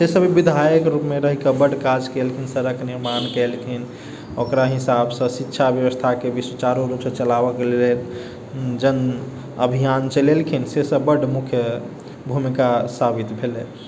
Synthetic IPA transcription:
sesəbibid̪ʱajəkɾupmeɾəɦikəbəɖkad͡ʒkelkʰinsəɾəkniɾmankelkʰin | okɾaɦisabsə̃sitːʃʰabjəʋəst̪ʰakebiswət͡ʃaɾoɾupsə̃t͡ʃəlabəklelen | d͡ʒən | əbʱijant͡ʃəlelkʰinsesəbəɽmukʰjə | bʱumikasabit̪bʱele

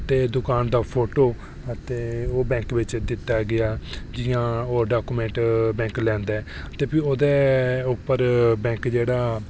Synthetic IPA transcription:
t̪eːd̪ʊkaːnd̪aːpʰoːʈoː | ət̪eːoːbɛ̃ːŋkʋɪt͡ʃd̪ɪt̪ːaːɡɪaːd͡ʒɪːãːoːɖaːkuːmɛ̃ːɳʈbɛ̃ːŋklɛ̃ːnd̪aːɛː | t̪eːpʰiːoːd̪eːʊpːəɾbɛ̃ːŋkd͡ʒeːɽaː

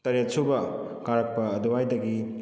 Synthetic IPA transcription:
tɐɾat̚sʰubɐ | kaɾak̚pɐːduwajdɐɡi

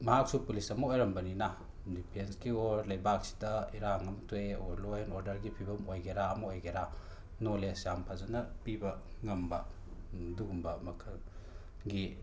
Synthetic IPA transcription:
mɐɦak̚supulisɐmɐojɾɐmbɐnina | dipʰensɡioɾlɐjbak̚si̥dɐiɾaŋɐmtʰueoɾlojenoɾdɐɾɡipʰibɐmojɡeɾaɐmɐojɡeɾa | nolesjampʰazɐnɐpibɐŋɐmbɐ̰ | duumbɐmɐkʰɐ | ɡi

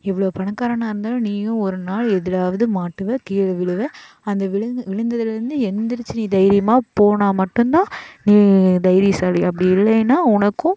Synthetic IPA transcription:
ɛʋːɐɭoːpɐɳɐkːaːɾɐɳãːɪɾɯnd̪aːl̃niːɡɐ̃ɔɾɯnaːɭɛðɪlaːʋɐðɯmaːʈːɯʋẽkiːɭʋɪɭɯʋẽː | ɐnd̪ɐʋɪʋɪɻɯnd̪ɐðɪlɪɾɯnd̪ɯɛnd̪ɪɾɯt͡ʃːɯniːd̪ɐjɾɪjɐmaːpoːɳaːmɐʈːɯnt̪ãːniːd̪ɐjɾisaːliɐpːɐɽɪɪlːɐɛnːaːʊnɐkːʊ̃

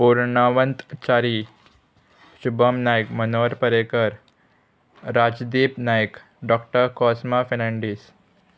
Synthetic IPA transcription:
puːɾɳaʋənt̪t͡ɕaːɾi | ɕubʱəmnajəkmənoɾpəɾekəɾ | ɾad͡ʒd̪iːpnajək | ɖɔkʈəɾkɔsmafenaɳɖiːs

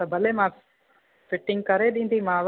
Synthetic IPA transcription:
ɐbɐlemaː | fiʈːiŋɡkɐɾed̪ind̪imaːʋ

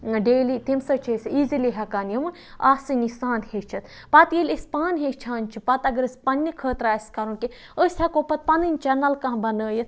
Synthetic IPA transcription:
ɖeːlit̪imsɐt͡ʃʰesiːziliɦɐkaːnjɐmɨn | a̰ːsinisaːnhet͡ʃʰɐt̪ | pɐt̪jilʲispaːnɦet͡ʃʰaːnʲt͡ʃʰipɐt̪ɐɡɐɾɨsʲpɐnʲːɐkʰəːt̪ɾaːskɐɾuːke | əsʲhʲɐkoːpɐt̪̚pɐnɨnʲt͡ʃɛnɐlkãːbɐnəːjɐt̪

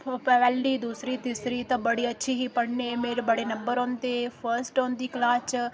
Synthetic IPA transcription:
pʰoːpɛʋɛːlɖid̪uːsɾit̪iːsɾit̪ɐbɐɽiɐtːʃʰiɦipɐɽnemeːɾbɐɽenɐ̃mbəɾoːnt̪efʰəɾsʈoːnd̪iklaːt͡ʃ

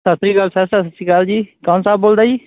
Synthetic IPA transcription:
sət̪ɾiːɡəlsɛsɛsət̪ːiːɡald͡ʒiːkãːnsaːb̚boːld̪aːd͡ʒiː

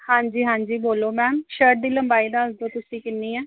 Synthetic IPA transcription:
hãːɲd͡ʒiːɦãːɲd͡ʒiːboːloːmɛːmʃəʈ̚d̪iːləmbaːiːd̪aːəsd̪oːt̪ʊsĩːkɪnːiːɛː

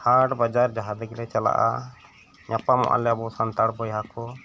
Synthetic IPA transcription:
haʈbad͡ʒaɾd͡ʒaɦad̪ɛɡlɛt͡ʃala̰ʔa̰ | ɲapamɔ̰ʔa̰lɛabɔsant̪aɽpɔjɦakɔ

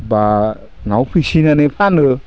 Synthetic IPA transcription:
ba | ŋawpʰisinanepʰanɯ

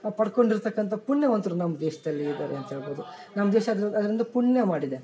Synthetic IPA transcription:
pɐɽko̞ɳɖiɾt̪ɐkːɐnt̪ʰɐpuɳːjɐmɐnt̪uɾunɐmːɐd̪eːʃɐd̪ɐlːiːd̪aːɾeɐnt̪ɐɦeːɭbo̞ːd̪unɐmːɐd̪eːʃɐd̪ɐd̪ɐɾind̪ɐpuɳjɐmaːɽid̪e

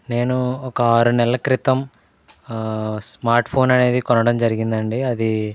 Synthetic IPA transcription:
ne̞ːnuɔkɐaːɾunɛlɐkɾit̪ɐm | smaːɾʈpʰo̞ːnɐne̞ːd̪ikɔnɐɽɐmd͡ʒɐɾiɡind̪ɐɳɖiɐd̪i

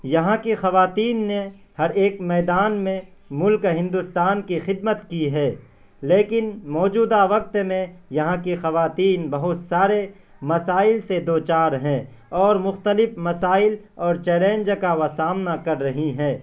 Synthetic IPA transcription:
jɐɦãkixɐʋaːt̪iːnːe | hɐɾeːkmɛːd̪aːnmẽmʊlkɦɪ̃nd̪ʊst̪aːnkixɪd̪̚mət̪kiɦɛː | leːkɪnmɔːd͡ʒuːd̪aʋɐk̚t̪mẽjɐɦãkixɐʋaːt̪iːnbɐɦʊt̪saːɾe | mɐsaːɪlsed̪oːt͡ʃaːɾɦɛ̃ː | ɔːɾmʊxt̪əlɪfmɐsaːɪl | ɔːɾt͡ʃɛːlẽːɲd͡ʒkaʋasaːmnakɐɾːɐɦiɦɛ̃ː

